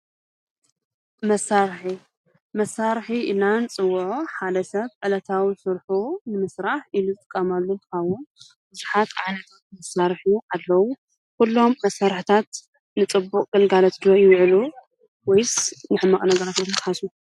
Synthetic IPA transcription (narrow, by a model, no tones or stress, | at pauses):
mɐsːaɾħi | mɐsːaɾħiʔɨnant͡sʼɨwːʕoħad̪ɐsɐβʕɨlɐt̪ʰawisɨɾħunɨmɨsɾaħʔiluzɨt̪ʼɨkʼːɐmalːokʰawːo | bɨzuħat̪ʰa̰ʕnɐt̪ʰat̪mɐsːaɾħjuʔalːɐwu | kulːo̞mːɐsaɾħt̪ʰat̪ | nɨt͡sʼɨbːukʼɡ̥ɨlɡalɐt̪d̪ɨɐjɪwʕlu | wɔjsnɨħɨmːaχʼnɐɡɐɾat̪nɐt̪t̪ħasu